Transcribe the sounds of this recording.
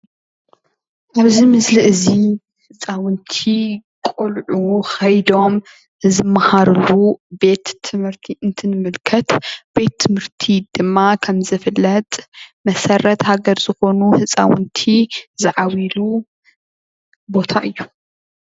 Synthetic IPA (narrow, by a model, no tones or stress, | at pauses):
ʔaβzimɨsliʔɨzi | hɨt͡sʼawɨnt̪ʰikʼolʕuxɐjd̪o̞m | zɨmːahaɾɨlube̞t̪ʰːɨmhɨɾt̪ʰiʔɨnt̪ʰɨnɨmɨlkʰɐt̪b̥e̞t̪ʰːɨmhɨɾt̪ʰid̪̥ɨmːakʰɐmzɨfɨlːɐt̪ʼmɐsɐɾɐt̪haɡɐɾz̥ɨxo̞nuhɨt͡sʼa̰wʊ̰nt̪ʰizɨʕawilu | bo̞t̪ʰaʔɨjːu